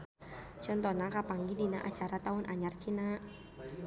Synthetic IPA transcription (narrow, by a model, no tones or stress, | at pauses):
t͡ʃɔnt̪ɔnakapaŋɡidina̰ʔat͡ʃaɾat̪aʊnʔaɲart͡ʃina